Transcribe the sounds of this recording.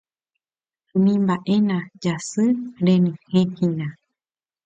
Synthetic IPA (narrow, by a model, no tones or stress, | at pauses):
mĩmbaʔe̞nãd͡ʒasɨɾẽnĩhẽhĩnã